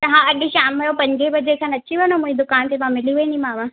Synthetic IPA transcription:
t̪ɐɦãɐɗiʃaːmɐjopɐ̃ɲɡʱebɐd͡ʑekʰãːnɐt͡ɕiʋɐnõmũːĩd̪ʊkaːnt̪ʰetãmɪliʋɐĩnd̪imaːʋã

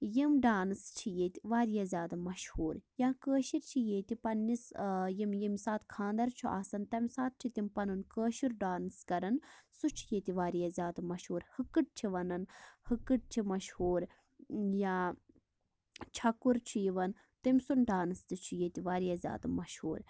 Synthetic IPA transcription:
jimɖaːnst͡ʃʰijeːt̪iʋaːɾijaːzʲjaːd̪ɐmɐʃhuːɾjãːkəːʃiɾt͡ʃʰijeːt̪ipɐnːisjimjimsaːt̪kʰãːnd̪ɐɾt͡ʃʰuʔa̰ːsɐnt̪ɐmʲsaːt̪̚t͡ʃʰit̪impɐnɨnkəːʃiɾɖaːnskɐɾɐnsut͡ʃʰijeːt̪iʋaːɾijaːzʲjaːd̪ɐmɐʃhuːɾhɨkːɨʈ̚t͡ʃʰiʋɐnɐnhɨkːɨʈ̚t͡ʃʰimɐʃhuːɾ | jaː | t͡ʃʰɐkːuɾt͡ʃʰujiʋɐn | t̪ɐmʲsunɖaːnɨst̪ɨt͡ʃʰujeːt̪iʋaːɾijaːzʲja̰ːd̪ɐmɐʃhṵːɾ

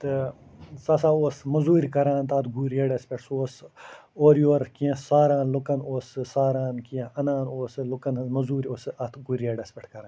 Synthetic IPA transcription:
t̪ɨ | sɐsaːoːsmɐzuːɾʲkɐɾãːnt̪aːt̪ɡuːɾeɖɐspʲeʈʰsoːsoːɾjoːɾkiẽsaːɾaːnlukɐnoːsɨsaːɾaːnkiẽɐnaːnoːsɨlukɐnmɐzuːɾʲoːsɨɐt̪ʰɡuɾeːɖɐspʲeʈʰkɐɾaːn

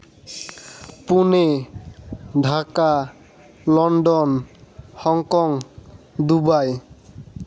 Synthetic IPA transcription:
pune | ɖʱaka | lɔɳɖɔnhɔŋkɔŋ | d̪ubaj

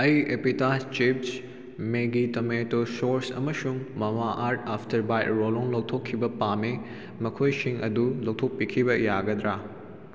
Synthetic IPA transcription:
ɐjepitat͡ʃip̚s | meɡitometosoɾsɐ̰mɐsuŋmɐmaʔaɾtapʰtʰɐɾbajtɾoloŋlɐwtʰokʰːibɐpame | mɐkʰojsiŋʔɐ̰dulɐw̚tʰok̚pikʰibɐjaɡɐd̪ɾa

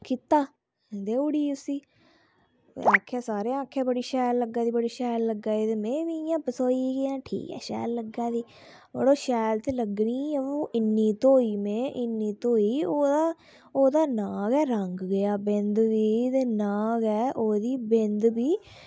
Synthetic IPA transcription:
kiːt̪aː | d̪eːʊɽiːʊsiː | aːkʰːjaːsaːɾeãːaːkʰːjaːbəɽiːʃɛːlːəɡːaːd̪iːbəɽiːʃɛːlːəɡaːed̪eːmẽːʋiːjãːpəsoːiːɡejãːʈʰḭːkɛ̰ːʃɛ̰ːlːəɡaːd̪iː | bə̰ɽoːʃɛːlt̪eːləɡniːõːʔɪnːiːt̪õːiːmẽːʔɪnːiːt̪õːiːoːd̪aː | oːd̪aːnaːɡɛːɾəŋɡɡəjaːbɪ̃nd̪ʋiːt̪eːnãːɡɛːʔoːd̪iːbɪ̃nd̪biː

